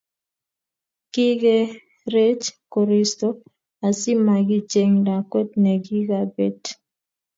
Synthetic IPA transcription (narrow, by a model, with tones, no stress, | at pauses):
ki˦ɡe˦ | ɾe˦t͡ʃko˨ɾi˨sto˦ | a˨sɪ˦ma˨ɡi˦t͡ʃe˨ŋda˨kwɛ˦t̚ne˨ɡi˦ɡa˦be˨t